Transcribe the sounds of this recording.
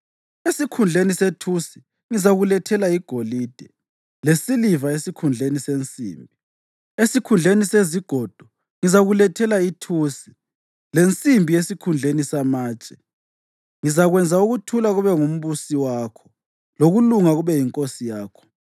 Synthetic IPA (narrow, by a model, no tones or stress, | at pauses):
esikʰund͡ɮʱenisetʰusi | ŋizaɣulɛtʰɛlaiɡ̥ʱolid̥ʱɛ | lesilivaesikʰund͡ɮʱenisent͡sʼḭːmbʱi | esikʰund͡ɮʱeniseziɡ̥ʱɔːd̥ʱɔ | ŋizaɣulɛtʰɛlaitʰusi̥ | lent͡sʼimbʱijesikʰund͡ɮʱenisamaːt͡ʃʼɛ̥ | ŋizaɣwɛnd͡zʱauɣutʰulaɣuβɛŋum̩βusiwaːkʰɔ̥ | loɣuluŋaɣuβɛjiŋkʼosijaːkʰɔ̥